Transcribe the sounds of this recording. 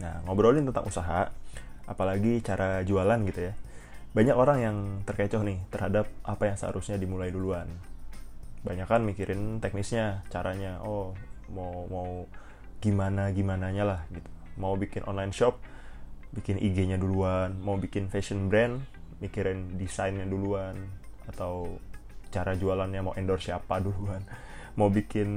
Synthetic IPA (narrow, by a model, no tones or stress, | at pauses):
na̰ŋabəɾolɪŋt̪ənt̪a̰ŋusaɦaapalaɡit͡ʃaɾad͡ʒualanɡit̪ujabaɲakoɾaŋjaŋt̪ərket͡ʃɔhnɪht̪ərhadap̚ʔapajaŋsəha̰ɾʔusɲadimulajduluan | baɲakanmikiɾʔɪnt̪ɛk̚nɪsɲat͡ʃaɾaɲaʔomamau | ɡ̥imanaɡimanaɲalahɡit̪u̥maubikɪnʔɔ̰nlajinʃɔp̚ | bikɪnʔiɡeɲaduluanmaubikɪnfesənbɾɛn | mikiɾɪndisajnɲaduluanat̪awt͡ʃaɾad͡ʒualanɲamauʔɛndɔrsiapaduluanmaubikɪn